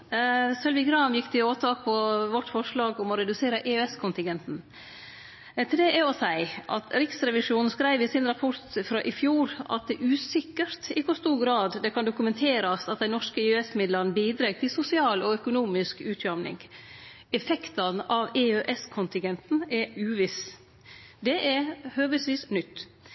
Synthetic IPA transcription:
sœlʋɪɡɾɑːmjɪkːt̪ɪoːt̪ʰɑːk̚pʰɔʋɔʈːfɔʂɭɑːɡɔmɔɾɛd̪ʉseːɾəʔeøɛskʰʊnt̪ɪŋɡɛnt̪n̩ | t̪ʰɪld̪ɛʔɛɔsæɪʔɑ̰t̪ɾɪksɾɛʋɪʂuːnn̩skɾæɪʋɪsɪnɾɑpʰɔɾt̪fɾɑʔɪfjuːɾɑ̰t̪̚d̪ɛʔʉːsɪkːəɾt̪ɪkːɔst̪uːɾɡɾɑːd̪d̪ɛkʰɑnd̪ʊkʉmɛnt̪ʰeːɾɑsɑt̪̚d̪ɛɪnɔʂkəɪøɛsmɪd̪lɑnəbiːd̪ɾɑːɡ̚t̪ʰɪlsʊsɪɑːlɔœkʊnuːmɪskʉːt̪ʰjɑmnɪ̰ŋɡ | ɛfɛkt̪ɑnʔɑʋeøʔɛskʰʊnt̪ɪŋɡɛnt̪n̩ɛɾʉːʋɪs | d̪ɛʔɛɾhøːʋəsʋiːsnʏt̪ː

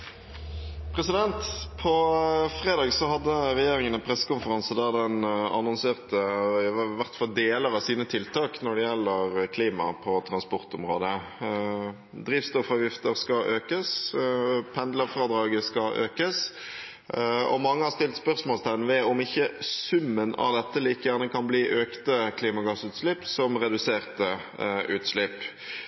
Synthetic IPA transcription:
pʰɾɛsɪd̪ɛnt̪pʰɔfʁeːd̪ɑːɡsɔɦɑd̪ːəɾɛjeːʁɪŋənəpʰʁɛsːə̥kʊmfəʁɑnsəd̪æd̪ɛnɑ̰nɔnseːʁt̪əɪʋæʁt̪fɑld̪eːləɾɑsiːnət̪ʰɪlt̪ɑːknɔɖɛjɛlːəɾkʰliːmɑ̰pʰɔt̪ʰɾɑnspɔʁt̪ɔmʁoːd̪ə | d̪ɾiːʋst̪ɔfɑʋjɪft̪əɾskɑʔøːkəs | pʰɛnd̪ləʁfʁɑːd̪ɾɑːɡəskɑʔø̰ːkəs | ɔ̰mɑŋːəhɑɾst̪ɪlt̪spœʁsmoːlst̪ʰænʋɛɔmɪçːəsʉmːənɑ̰ʋd̪ɛt̪ːəliːkəjæʁnəkʰɑnbliːʔøːkt̪əkʰliːmɑɡɑsʉːt̪slɪpsɔmʁɛd̪ʉseːʁt̪ə | ʔʉːt̪slɪpː

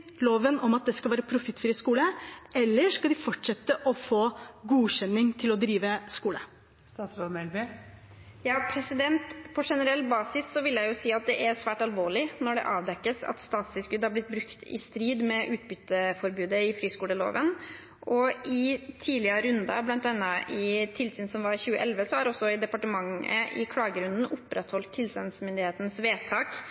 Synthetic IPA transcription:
loːʋənɔmɑt̪̚d̪ɛskɑlʋæːɾəpʰɾʊfɪt̪ːfɾiːskuːləɛlːəʂkɑld̪ɪfɔʈʂɛt̪ːəʔɔfoːɡuːɕɛnːɪŋt̪ʰɪlɔd̪ɾiːʋəskuːlə | st̪ɑːsɾoːd̪mɛlbe | jɑːpʰɾɛsɪd̪ɛnt̪pʰɔʂɛnəɾɛlt̪bɑːsɪssɔʋɪljæɪjʊsiːɑt̪̚d̪ɛʔæɾsʋæːʈɑlʋoːɭɪnɔɖɛ̰ʔɑːʋd̪ɛkːəsɑ̰t̪st̪ɑːt̪sɪlskʉd̪hɑɾblɪt̪̚ːbɾʉkt̪ɪ̰st̪ɾiːd̪mɛʔʉːt̪bʏt̪ːəfɔɾbʉːd̪əɪfɾiːskuːɽəlo̰ːʋən | ʔɔɪt̪ʰiːlɪəɾəɾʉnd̪ɑ̰blɑnt̪̚d̪ɛnːɑʔɪt̪ʰɪlsyːnsɔmʋɑɾçʉːəʔɛlʋəsɔhɑɾɔsːɔɪd̪ɛpɑʈəmɑŋə̰ʔɪkʰlɑːɡəɾʉnd̪n̩ʊpːɾɛt̪hɔlt̪ʰːɪlsyːnsmʏnd̪ɪheːt̪nsʋeːt̪ʰɑːk

